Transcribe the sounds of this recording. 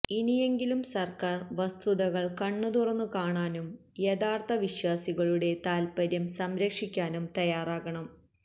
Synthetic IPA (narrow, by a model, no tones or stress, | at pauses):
inije̞ŋɡilumsɐrkaːrʋɐst̪ʰuðɐɣɐɭkɐɳːut̪urɐnːukaːɳaːnumjeðaːrt̪ʰɐʋiɕwaːsiɣɐɭuɽe̞t̪aːlpɐɾjɐmsɐmɾɐkʂikʲːaːnumt̪ɐjaːraːɣɐɳɐm